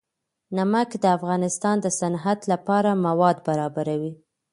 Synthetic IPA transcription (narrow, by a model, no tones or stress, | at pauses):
namakd̪əafɣɑnɪst̪ɑnd̪əsanɦad̪lapɑɾamawɑd̪baɾɑbaɾawi